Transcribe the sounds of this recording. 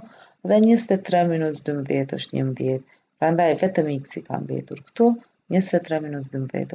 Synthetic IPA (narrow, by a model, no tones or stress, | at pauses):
ðɛɲəst̪ɛt̪ɾɛminusd̪yməðjɛt̪ɔ̰ʃt̪ɲə̰məðjɛt̪̚ | pɾand̪ajvɛt̪əmiksika̰nbɛ̰t̪uɾkt̪u | ɲəst̪ɛt̪ːɾɛminus̬d̪ymbəðjɛ̰t̪